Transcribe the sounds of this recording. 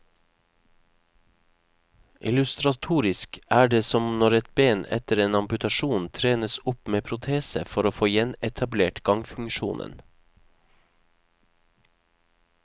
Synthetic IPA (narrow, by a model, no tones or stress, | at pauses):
ʔɪ̰lʉst̪ɾɑt̪ʰuːɾɪskæːɖeːsɔmnɔɾɛt̪̚beːnɛ̰t̪əɾeːnɑmpʉt̪ɑʃuːnt̪ʰɾeːnəsʊpmeːpʰɾʊt̪ʰeːsəfɔɾoːfoːjɛnɛt̪ʰɑbleːʈɡ̥ɑŋfʉŋʃṵːnʔə̰n